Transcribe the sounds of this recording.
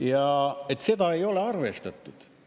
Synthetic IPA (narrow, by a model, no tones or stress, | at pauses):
jɑet̪ːˑse̞d̪ɑe̞jo̞leɑrvest̪ɑt̪ːˑud̪̥